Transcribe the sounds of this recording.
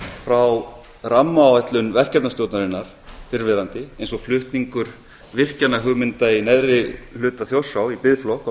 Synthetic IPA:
fɾaw | ramːaːwɛht̪lʏnvɛr̥cɛpt̪nast̪oːwt̪naɾɪnːaɾ̥fɪɾvɪðɾant̪ɪejnsɔɣflʏht̪niŋkʏɾ̥ | vɪr̥canaɦʏɣmɪnt̪ainɛðɾɪlʏːt̪aθjowsawipɪðflɔhk

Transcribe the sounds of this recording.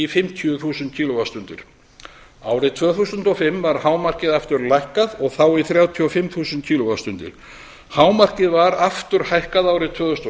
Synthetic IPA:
ifɪmt̪ʰjʏθuːsʏnt̪̚cʰiːlɔɣast̪ʏnt̪ɪ̰ɾ̥ | aːwɾɪt̪ʰvœːθusʏnt̪ɔfɪmvaɾ̥haːwmar̥cɪðaft̪ʏɾlajhkaðɔɣθawiθɾjaːwt̪ʰiɔfɪmθuːsʏnt̪̚kʰcʰiːlɔɣaðst̪ʏnt̪ɪ̰ɾ̥ | haːwmar̥cɪðvaɾaft̪ʏɾ̥hajhkaðaːwɾɪt̪ʰvœːðθʏst̪

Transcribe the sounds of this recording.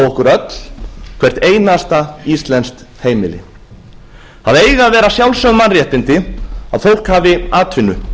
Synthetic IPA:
ɔhkʏɾœt̪l̥kʰvɛr̥t̪eːjnast̪aist̪lɛnst̪ | heːjmɪlɪ̰ | haðeːjɣavɛːɾasjawlsœɣmanrjɛht̪ɪnt̪ɪa̰ðθfowl̥khaːvɪaːt̪ʰvɪnːʏ

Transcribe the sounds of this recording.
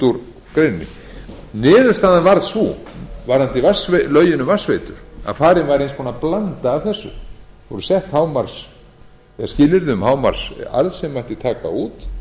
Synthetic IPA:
t̪uɾ | kɾejnːɪ̰ | nɪːðʏɾst̪aːðanvaɾðsuvaɾhant̪ɪvasvlœɥjɪnʏmvasvejt̪ʏɾ̥a̰ðfaːɾɪnvaɾejnspʰɔːnaplant̪aːvθɛsːʏ̰ | vɔɾʏsɛht̪haːwmaɾ̥s | ɛðascɪːlɪɾðʏmhaːwma̰ɾ̥sa̰ɾðsɛmːajht̪ɪt̪ʰaːka̰uːt̪

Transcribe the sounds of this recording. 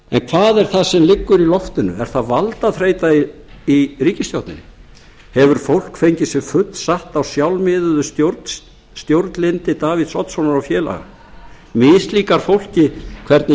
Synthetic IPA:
ɛnkʰvaːðɛɾ̥θasɛmlɪkːʏɾilɔft̪ʏnʏ̰ɛ̰ɾ̥θaðvalt̪aθɾeːjt̪aiiriːcɪst̪jawt̪nɪnɪ̰ | hɛvʏɾ̥fowl̥kfejɲcɪsɛmfʏt̪lsaht̪awsjawlmɪðʏðʏst̪joɾt̪ | st̪jowɾt̪nlɪnt̪ɪt̪aːviðsɔt̪sownaɾawfjɛːla̰ɣa̰ | mɪːst̪liːkaɾ̥fowl̥cɪkʰvɛɾt̪nɪ

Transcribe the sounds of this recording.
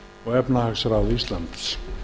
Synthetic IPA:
ɔɣɛpnahaksaɾawðist̪lant̪ɪ̥s

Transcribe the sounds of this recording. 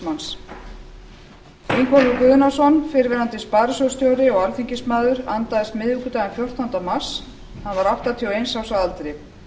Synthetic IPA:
mans | ejŋkʰvɔlʏkʏːðʏnasɔnfɪɾvɛɾant̪ɪspaːɾɪsowst̪jowɾɪɔɣaɾfiɲcɪsmaːðʏɾant̪aðɪst̪mɪðukʏt̪aːjɣɛnfjowr̥t̪ɔnt̪amḁs | hanvaɾawht̪at̪ʰiawejnsawsaðalt̪ɾɪ

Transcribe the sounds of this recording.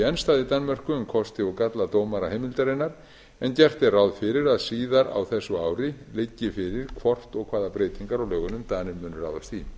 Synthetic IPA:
ɛnst̪aːðɪt̪anːmɛr̥kʏʏmkʰɔst̪ɪɔɣkat̪lat̪oːwmaɾahejmɪlt̪aɾejnaɾ | ɛncɛr̥t̪ɪrawðfɪɾɪɾaðsiːðaɾa̰wθɛsːʏaːwɾɪlɪcːɪfɪɾɪɾ̥kʰvɔr̥t̪ɔɣkʰvaːðapɾeːjt̪iŋkaɾawlœːɣʏnʏmt̪aːnɪmːʏːnʏɾa̰ːwðast̪θi

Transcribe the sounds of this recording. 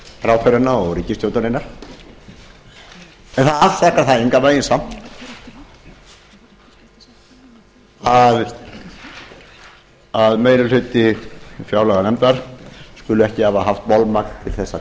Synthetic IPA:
fɾawt̪ʰœɾanːaɔɣɾiːcɪst̪jowt̪aɾɪnaɾ̥ | ɛnθaðaft̪ahkaɾ̥θaðeŋkavaːjɪnsamn | að | aðmeːjɾʏlhʏt̪ɪfjawlaɣanɛmt̪aɾ̥skʏlʏɛhcɪhavaɦaft̪mɔlmaknt̪ʰɪlθɛsːa

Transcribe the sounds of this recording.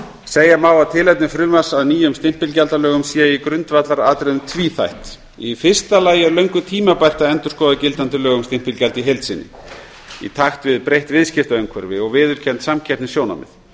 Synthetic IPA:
seːjamaːwaðt̪ʰɪlɛjt̪nɪfɾʏːmasaðniːjʏmst̪ɪm̥pɪlcalt̪alœːɣʏmsiːaikɾʏnt̪vat̪laɾaːt̪ɾɛðʏmt̪ʰviːθa̰jht̪ | ifɪr̥st̪alaːjɛɾlœɥŋkʏt̪ʰiːmapajr̥t̪aðɛnt̪ʏɾ̥skɔːðacɪlt̪ant̪ɪlœːɣʏmst̪ɪm̥pɪlcalt̪iɦejlt̪sɪnːɪ̰ | ḭt̪ʰaxt̪vɪðpɾejht̪vɪðscɪft̪aœŋkʰvœɾvɪɔɣvɪːðʏl̥cʰɛnt̪samcʰɛp̪nɪsjoːwna̰mɪ̰ð

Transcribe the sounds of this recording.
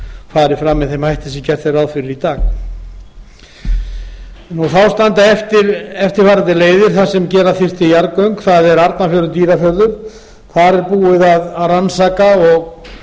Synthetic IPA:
faːɾɪfɾamːɛðθejmhajht̪ɪsɛcɛr̥t̪θejɾawðfɪɾɪɾit̪aːɣ | nuθawst̪ant̪aɛft̪ɪɾɛft̪ɪɾ̥faːɾant̪ɪleːjðɪɾ̥θasɛmcɛːɾaθɪr̥t̪ɪjaɾkœɥŋkθaðɛɾaɾt̪nafjœɾʏt̪iːɾafjœɾðʏɾ̥ | kʰaɾɛɾpuːɪðaðaðransaːkaɔɣ

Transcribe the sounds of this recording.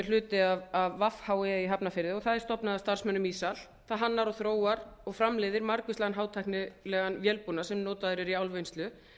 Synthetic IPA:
ɛɾ̥l̥ʏːt̪ɪaavːafhaːwɪiɦapnafɪɾðɪɔɣθaðɛɾ̥st̪ɔpnaðast̪ar̥smœnːʏmiːsal | θaðɦanːaɾɔθɾoːwaɾɔɣfɾamlɛːðɪɾmaɾkʏslɛɣanɦaːwt̪ʰajhknɪlɛːɣanvjɛlpunasɛmnoːwt̪aðʏɾɛɾiawlvejnst̪lʏ

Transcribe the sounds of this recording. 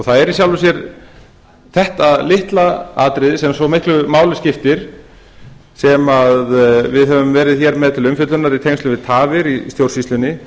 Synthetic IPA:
ɔθaðɛɾisjawlvʏs̬jɛɾ | θɛht̪aðlɪht̪laaːt̪ɾɪðɪsɛmsɔmɪhklʏmaːwlʏscɪft̪ɪɾ̥ | sɛmaðvɪðɦœvʏmvɛːɾɪðçɛɾmɛðt̪ʰɪlʏmfʏt̪lʏnaɾit̪ʰejnst̪ʏvɪðt̪ʰaːvɪɾist̪jowr̥sist̪lʏnɪ

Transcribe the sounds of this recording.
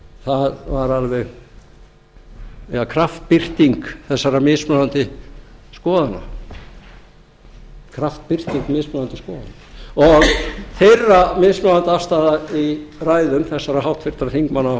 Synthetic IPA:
θaðvaɾalvɛɣ | jakʰɾaft̪̚pɪr̥t̪iŋkθɛsːaɾamɪːsmaðant̪ɪskɔːðana̰ | kʰɾaft̪̚pɪr̥t̪iŋkmɪːsmaðant̪ɪskɔːða̰naɔɣθejrːamɪsmaðant̪ɪafst̪aðairaːjðʏmθɛsːaɾaɦawht̪fɪɾ̥t̪ɾaɾθiŋkmanːa

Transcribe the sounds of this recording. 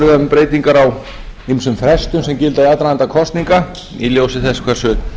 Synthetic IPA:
ʏðaʏmpɾeːjt̪iŋkaɾaw | imsʏmfɾɛst̪ʏmsɛmcɪlt̪aiat̪ɾajant̪akʰɔst̪niŋka | iljowsɪθɛskʰvɛr̥sʏ

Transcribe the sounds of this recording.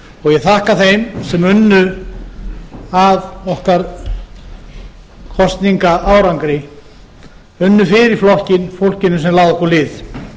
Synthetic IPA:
ɔɣjɛɣθahkaθejmsɛmʏnːʏ | aðɔhkaɾ | kʰɔst̪niŋkaʔaːwɾaŋkɾɪ | ʏnːʏfɪɾɪɾɪ̥flɔhcɪnfowl̥cɪnʏsɛmlaːðɔhkɔɾlɪːð

